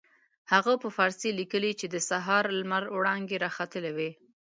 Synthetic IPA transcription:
haɣapəfɑɾsilikəlit͡ʃed̪əsaɦɑɾlmaɾwɽɑŋɡeɾɑxat̪əlewe

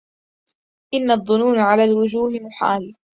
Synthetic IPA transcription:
ʔɪnːaðˤːʊnuːnʕalaːlwʊd͡ʒuːhɪmʊħa̰ːl

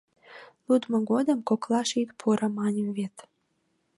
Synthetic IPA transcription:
lud̪mŏɡod̪əmkoklɑʃit̪pʰuɾɑmɑnʲemβet̪

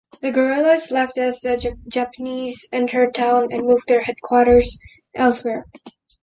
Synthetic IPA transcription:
ðɨɡə˞ɪlˠɨslɛftʌsðɨd͡ʒæpənizɛ̃ntʰə˞tʰãʊ̃nɨ̃nmuvðə˞hɛd̚kʰw̥ɔɾə˞z | ʔɛlˠswɛɹ

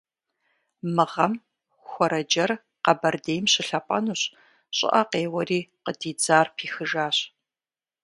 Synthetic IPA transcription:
mɨʁɐm | xʷɔɾɐd͡ʒɐr | qɐbɐrdeːjmɕɪɬɐpʷʼɐ̰nuːɕ | ɕʼɪ̰ʔɐqeːwɐriːqədiːd͡zaːrpʰiːxɨʒaːɕ

